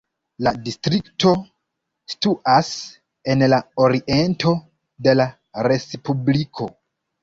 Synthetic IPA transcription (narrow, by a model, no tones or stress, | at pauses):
ladistɾikto̞ | stuʔas | e̞nlaoɾiʔe̞ntʰo̞ | de̞la | ɾe̞spublikʰo̞